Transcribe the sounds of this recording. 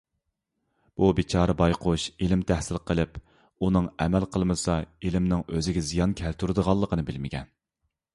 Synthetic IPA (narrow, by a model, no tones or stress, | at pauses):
b̥ubit͡ʃʰɑːɾɨbɑjqʰʊʃelɪmt̪ʰæhsɪlqʰəlˠɪp | unɨŋɛmɛlqʰəlˠmɨsɑelɪmnɪŋøzɪɡʲɛzijɑnkʲʰɛlt̪ʰuɾɨd̪əʁɑlˠːəqʰənɨbɪlmɪɡʲɛn